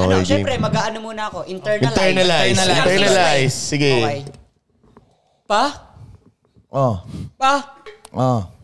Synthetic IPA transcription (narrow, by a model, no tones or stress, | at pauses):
ɛ̰ʃɛipɾɛmɐɡaːʔɐnomuːnɐɐkoʔɪnt̪ɛɹʔɪnɛɹnɐlajsɐɪnt̪ɛɹnɐlajssɪɡɛj | pa | ʔopaʔo